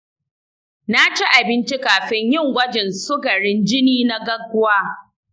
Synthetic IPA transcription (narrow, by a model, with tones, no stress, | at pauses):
na˦t͡ʃi˦ʔa˨bɪ˦nt͡ʃi˦kaː˨ɸɪ˦ɲjɪ˦˨ŋwɐ˦d͡ʒɛ˨nsʊ˦ɡɐ˨ɽɪ˦nd͡ʒɪ˦niː˦na˦ɡɐ˦ɡʷʊ˦waː˦